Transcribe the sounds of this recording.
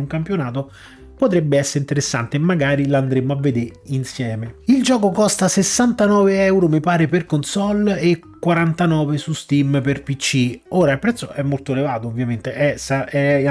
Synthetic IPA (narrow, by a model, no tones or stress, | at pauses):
uŋkampjonaːt̪̬o | pot̪ɾɛbːeɛsːeɾint̪eɾesːa̰nt̪emːaɡaːɾiland̪ɾemːoavːed̪eɾinsjɛːmeild͡ʒɔːkokɔst̪asesːant̪anɔːveɛwɾomipaːɾeperkonsɔlekːwaɾant̪anɔːvesust̪imperpit͡ʃːioːɾailpɾɛt̪sːoʔɛmːolt̪oelevaːt̪oːvːjament̪eʔɛsaɛ